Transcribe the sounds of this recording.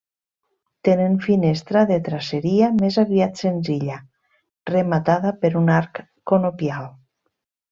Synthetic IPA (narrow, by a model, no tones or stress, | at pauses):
t̪eneɱfinest̪ɾaðet̪ɾaseɾiamezaβiat̪senziʎa | remat̪aðapeɾunaɾkː | onopjal